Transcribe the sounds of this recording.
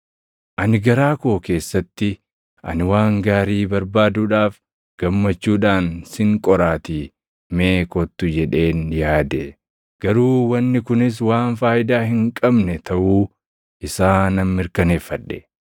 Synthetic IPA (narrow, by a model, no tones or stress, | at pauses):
ʔɐnɪɡɐɾaːko̞ːke̞ːsːɐt̪ːɪ | ʔɐ̰nɪwaːŋɡaːɾiːbɐɾbaːd̪uːᶑaːf | ɡ̥ɐmːɐt͡ʃːuːᶑaːnsɪŋkʼɔɾaːt̪i | me̞ːkɔt̪ːʊd͡ʒɛᶑe̞ːnjaːd̪ɛ | ɡ̥ɐɾuːwɐnːɪkʊnɪs̬waːnfaːjɪd̪aːhɪŋkʼɐbnɛt̪ɐʔuː | ʔɪsaːnɐmːɪɾkɐne̞ːfːɐᶑːɛ̰